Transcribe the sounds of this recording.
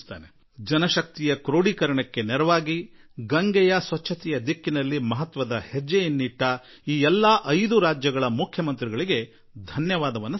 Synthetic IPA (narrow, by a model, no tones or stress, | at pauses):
t̪a̰ːne | d͡ʒɐnɐʃɐk̚t̪ijɐkɾoːɽikɐɾɐɳɐkːe̞nɛɾɐʋaːɡiɡɐŋɡɛjɐsʋɐt͡ʃʰːɐt̪ɛjɐd̪ikːinɐlːimɐɦɐt̪ʋɐd̪ɐhed͡ʒːejinːiʈːɐ | iːɛlːɐʔɐjd̪uɾaːd͡ʒjɐɡɐɭɐmukʰjɐmɐnt̪ɾiɡɐɭiɡe̞ | d̪ʱɐnjɐʋaːd̪ɐʋɐnːu